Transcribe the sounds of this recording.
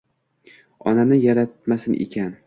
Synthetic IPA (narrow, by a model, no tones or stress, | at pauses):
ɒ̰nanɪjaɾat̪̚masɪnʔḛkʲʰan